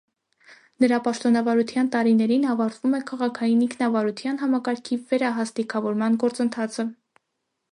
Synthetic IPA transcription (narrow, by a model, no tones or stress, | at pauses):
nəɾɑpɑʃt̪ɔnɑvɑɾut̪ʰjɑnt̪ɑɾinɛɾinɑvɑɾt̪vumɛkʰɑʁɑkʰɑjiniŋkʰnɑvɑɾut̪ʰjɑnɦɑmɑkɑɾkʰivɛɾɑɦɑst̪ikʰɑvɔɾmɑnɡɔɾt͡sənt̪ʰɑt͡sʰə